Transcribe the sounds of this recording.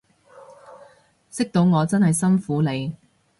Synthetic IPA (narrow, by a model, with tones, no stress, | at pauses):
sɪ˥k̚t̪o˨˧wŋɔː˨˧t͡sɐ˥nhɐ˨jsɐ˥nfuː˨˥le˨˧j